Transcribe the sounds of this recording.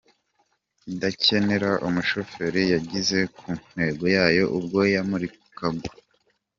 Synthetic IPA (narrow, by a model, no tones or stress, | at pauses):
idace̞ne̞ɾaʔumuʃo̞fe̞ɾijaɟize̞kʰuːn̥e̞ːɡo̞jaːjo̞ʔub̚ɡo̞jamuɾikukaɡo